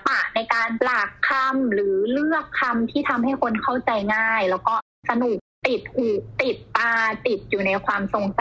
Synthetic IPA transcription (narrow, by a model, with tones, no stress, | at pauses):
pa˨˩ʔna˧jkaː˧nlaː˨˩kʰːa˧mɾɯː˩˦lɯ˥˩əkʰːa˧mt̪ʰiː˥˩t̪ʰa˧mɦa˥˩jkʰo˧nkʰa˥˩wt͡ɕa˧jŋaː˥˩jlɛː˦˥wkɔː˥˩ | sa˧nu˨˩k̚t̪i˨˩t̪̚huː˨˩k̚t̪i˨˩t̪̚paː˧t̪i˨˩t̪̚juː˨˩na˧jkʰwaː˧mso˧ŋsa˨